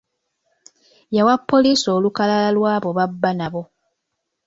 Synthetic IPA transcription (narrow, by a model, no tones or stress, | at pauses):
jawapːo̞liːso̞ːlukalalalwaːβo̞βabːanaβo̞